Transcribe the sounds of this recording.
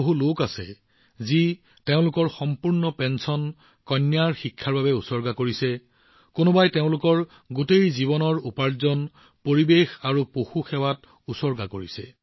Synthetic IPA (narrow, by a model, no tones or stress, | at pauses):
oɦulokasɛ̰ | zi | teʊ̃lʊkɔɹxɔmpuɹnɔpɛnsɔn | kɔnːjaɹxikʰːaɹbabɛusɔɹɡakoɹisɛ | konobajteʊ̃lʊkɔɹ | ɡotejziβɔnɔɹupaɹzɔn | poɹibexaɹupoxuxɛwat | usɔɹɡakoɹisɛ̰